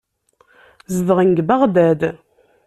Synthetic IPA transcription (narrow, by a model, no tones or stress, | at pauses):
zəðʁinɡbaʁd̪æd̪